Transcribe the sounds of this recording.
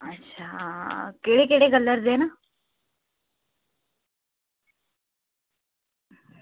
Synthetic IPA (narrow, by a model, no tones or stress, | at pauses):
ətːɕʰaːkeːɽekeːɽeɡəlːəɾd̪eːna